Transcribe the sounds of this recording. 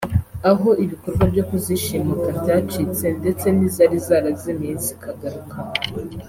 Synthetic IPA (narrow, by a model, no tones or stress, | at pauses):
aɦo̞ʔiβiko̞ɾɡwabɟo̞kuziʃimukabɟaːt͡ʃit͡se̞nde̞t͡se̞nizaɾizaɾazimiːnsikʰaɡaɾukʰa